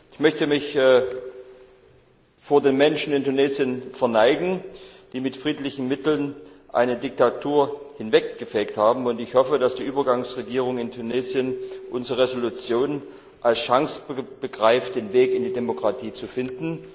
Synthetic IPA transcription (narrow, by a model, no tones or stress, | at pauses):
ʔɪçmœçtəmɪç | foːɐdeːnmɛnʃn̩ɪntuneːzjənfɛɐnaɪɡŋ̩ | d̥iːmɪtfʁ̥iːtlɪçn̩mɪtl̩nʔa̰ɪnədɪk̚tatʰuːɐhɪnvɛk̚ɡ̥əfɛːkthaːbm̩ʊntɪçhɔfədasd̥iːʔyːbɐɡaŋsʁeɡiːʁ̞ʊŋɪntʰuneːzjənʔʊnzʁəʁezolut͡sjoːn | ʔalsʃaŋsb̥əɡʁaɪft̚d̥eːnveːkɪndiːdemokʁ̥atʰiːt͡sufɪndn̩